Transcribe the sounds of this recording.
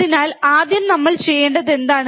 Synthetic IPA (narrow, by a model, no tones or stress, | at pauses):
inaːlaːd̪jɐmnɐmːɐɭt͡ɕe̞jːeːɳɖɐðe̞nd̪aːɳ